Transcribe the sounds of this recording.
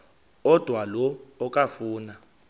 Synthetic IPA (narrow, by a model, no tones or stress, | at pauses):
ɔd̥ʱwalɔɔkʼafuːna